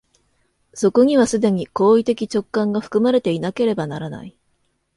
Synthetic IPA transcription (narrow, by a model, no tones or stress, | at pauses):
so̞ko̞ɲ̟iβ̞asɨd̪e̞ɲ̟iko̞ːit̪e̞kʲit͡ɕo̞kːãŋɡaɸɯ̥kɯ̟maɾe̞t̪e̞inake̞ɾe̞banaɾana̰i